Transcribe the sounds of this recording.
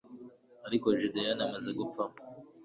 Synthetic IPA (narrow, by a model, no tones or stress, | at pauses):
aɾikoʒud̪ejanemezeɡup͡fa